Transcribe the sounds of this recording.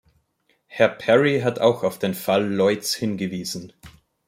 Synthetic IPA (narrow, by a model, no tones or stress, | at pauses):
hɛɐpʰɛʁiɦatʰaʊxaʊfd̥eːnfalːɔʏtt͡shɪnɡəviːzn̩